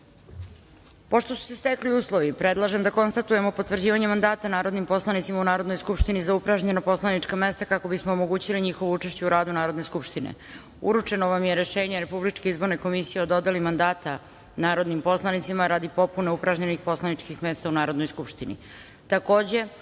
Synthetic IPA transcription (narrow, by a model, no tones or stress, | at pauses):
po̞ʃt̪o̞su̥sest̪ekliuːslˠo̞ʋipɾe̞d̪lˠaʒe̞md̪ako̞nst̪at̪uje̞mopo̞t̪vr̩d͡ʑiːʋaɲemand̪aːt̪anaːɾo̞d̪nimpo̞slˠanit̪simaunaːɾod̪nojskupʃt̪inizaupɾaʒɲenapo̞slˠaniʈ͡ʂkame̞st̪akako̞bismo̞oːmo̞ɡuːt͡ɕiliɲixo̞ʋout͡ʂeʃt͡ɕeuɾaːd̪unaːɾo̞d̪ne̞skupʃt̪inḛ | ṵɾut͡ʂe̞noʋamjeɾe̞ʃeːɲeɾe̞publit͡ʂke̞izbo̞ɾneko̞misijeo̞d̪o̞d̪elimand̪aːt̪a | naːɾo̞d̪nimpo̞slˠanit̪simaɾad̪ipo̞pune̞upɾaʒɲenixpo̞slˠanit͡ʂkixme̞ːst̪aunaːɾod̪nojskupʃt̪inḭ | t̪ako̞ːd͡ʑe̞